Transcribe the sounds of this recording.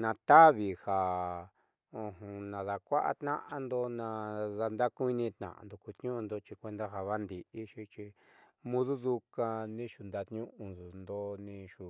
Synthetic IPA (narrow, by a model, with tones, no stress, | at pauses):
nã˧t̪a˦βi˨ha˨ | õ˧ɦũ˧nã˨ða˨kʷa˦ʔa̰˦t̪nã̰˦ʔa˧nd̪o˧nã˧ða˧nd̪a˦kũ˦i˦nĩ˧t̪nã̰˨ʔa̰˨nd̪o˨ku˧t̪ɲũ˦˧nd̪o˧t͡ʃi˧kʷe˧nd̪a˦ɦa˧βa˦nd̪i˨ʔi˦ʃi˧t͡ʃi˧ | mũ˦ðu˦ðu˧ka˧nĩ˦ʃu˧nd̪a˧t̪ɲũ˦ʔũ˧˨nd̪o˧nĩ˧ʃu˨